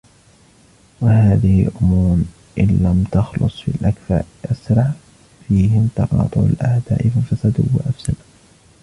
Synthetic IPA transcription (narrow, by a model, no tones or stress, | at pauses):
wahaːðɪhɪlʔʊmuːn | ʔɪnlamt̪ɑxlʊ̰sˤfḭlʔakfa̰ʔasɾɑʕ | fiːhɪmt̪ɑqɑ̰ːt̪ˤʊʕa̰lʔaʕd̪a̰ːʔɪfɪfasad̪ʊ̰wːa̰ʔafsal